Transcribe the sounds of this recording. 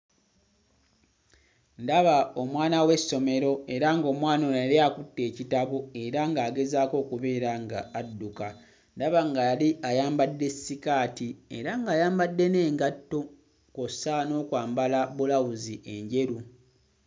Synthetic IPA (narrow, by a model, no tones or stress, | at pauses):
ndaβao̞mwaːnawe̞sːo̞me̞ɾo̞e̞ɾaŋɡo̞ːmwaːnojaliakutːe̞ːcitaβue̞ɾaŋɡaːɡe̞zaːko̞ːkuβe̞ːɾaŋɡaːdːuka | ndaβaŋɡaliajaːmbadːe̞sːikaːtie̞̰ɾaŋɡaːjaːmbadːe̞ne̞ːŋɡatːo | kosano̞ːkwaːmbalabulawuziʔe̞ɲɟe̞ɾu